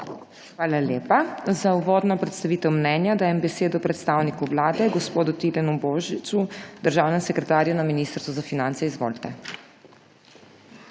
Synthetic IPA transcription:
xʋaːlalʲjeːpazauʋoːd̪nɔpɾɛt̪st̪aʋiːt̪ɛwmnɛnjad̪aːjɛmbɛseːd̪ɔpɾɛt̪st̪awnikuʋlaːd̪ɛɡɔspoːd̪ut̪ilɛnuboːʒit͡sud̪əɾʒaːwnɛmsɛkɾɛt̪aːɾjunaminiːst̪əɾst̪ʋɔzafinant̪sɛizʋo̰ːlt̪ɛ

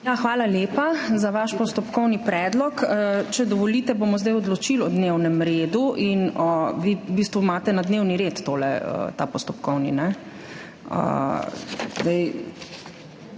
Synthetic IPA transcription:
jaxʋaːlaljeːpazaʋaʃpɔst̪ɔpkɔwnipɾɛd̪lɔkt͡ʃɛd̪ɔʋɔlit̪ɛbomɔzd̪ajɔd̪lɔt͡ʃilɔd̪newnɛmɾeːd̪uʔinɔʋiubist̪ʋumaːt̪ɛnad̪newniɾet̪ːoːlɛ̰ə̰t̪apɔst̪ɔpkɔwninɛ | ə̰ | zd̪ɛj

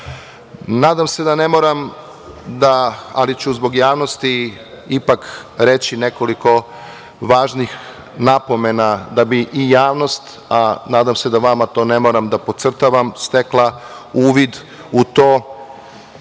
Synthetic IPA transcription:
naːd̪amse̞d̪ane̞mo̞ɾam | d̪aa̰lit͡ɕuzbo̞ɡjaːʋno̞st̪i | ipakɾet͡ɕine̞ko̞liko̞ | ʋaːʒnix | napo̞me̞nad̪abiʔːjaːʋno̞st̪ | anaːd̪amse̞d̪aʋamat̪o̞ːne̞moɾamd̪apo̞t̪sr̩t̪aʋamst̪e̞klˠauːʋid̪ | ut̪oː

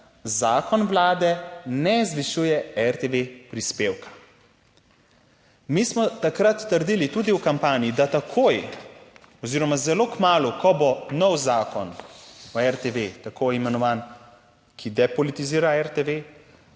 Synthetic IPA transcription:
zaːkɔnʋlaːd̪ɛnɛzʋiʃujɛɛɾt̪eʋepɾispeːwkḁ | mismɔt̪akɾat̪ːəɾd̪iːlit̪uːd̪iwkampaːnijid̪at̪akʰoːj | ɔziːɾɔmazɛloːkmaːlukʰɔbonɔwzaːkɔnɔɛɾt̪eʋet̪akojimɛnɔʋaːn | kʰid̪ɛpɔlit̪iziːɾaɛɾt̪eʋe

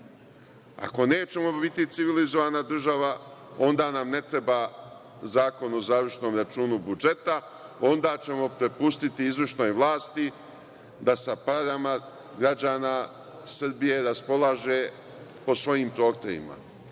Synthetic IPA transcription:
a̰ko̞ne̞ːt͡ɕe̞mo̞bit̪it̪siʋilizo̞ʋaːnad̪r̩ʒaʋao̞nd̪aːnamne̞t̪ɾe̞baː | zaːko̞no̞zaːʋrʃno̞ːmɾat͡ʃuːnubud͡ʒe̞t̪a | o̞nd̪aːt͡ɕe̞mo̞pɾepust̪it̪iizʋrʃno̞jʋlˠaːst̪i | d̪asapaɾama | ɡɾad͡ʑaːnaː | srbije̞ɾaspo̞lˠaːʒe̞ | po̞sʋo̞jiːmpɾo̞ːt̪ojḭma̰

